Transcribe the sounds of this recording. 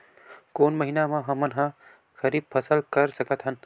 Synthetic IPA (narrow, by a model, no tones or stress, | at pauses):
koːnmɐɦinamãɦɐmənɦã | xɐɾiːb̚pʰɐsəlkɐɾsɐkət̪ɦən